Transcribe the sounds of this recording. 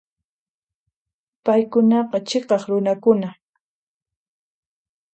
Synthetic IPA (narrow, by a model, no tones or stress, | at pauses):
pajkʊnɑqɑt͡ʃeqɑχɾʊnakʊna